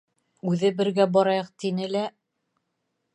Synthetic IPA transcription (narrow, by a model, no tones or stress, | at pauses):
ʉðɘbɘ̆ɾɡæbɒɾɑjɤq̚t̪inɘlæ